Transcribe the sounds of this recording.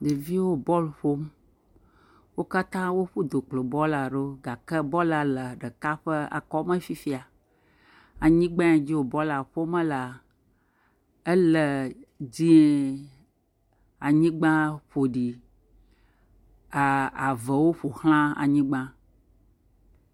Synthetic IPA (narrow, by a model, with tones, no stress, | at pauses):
d̪e˨vi˦wo˦bɔ˦lɸo˦m | wo˦ka˦t̪ã˦wo˦ɸu˦d̪o˨k͡plo˨bɔ˦la˨ɖe˦ɡa˨kɛ˦bɔ˦la˨lə˨ɖə˨ka˦ɸə˦a̰˨kɔ˦mə̃˦fi˦fi˦a˨ | a˨ɲĩ˦ɡ͡bã˦a˨d͡ʑi˦wo˨bɔ˦la˨ɸo˦mə˦la˨ | ə˦lə˨d͡ʑi˦ | a˨ɲĩ˦ɡ͡bã˦ɸo˨ɖi˨ | a˨a˨və˨wo˦ɸo˨hl̃ã˦a̰˨ɲĩ˦ɡ͡bã˦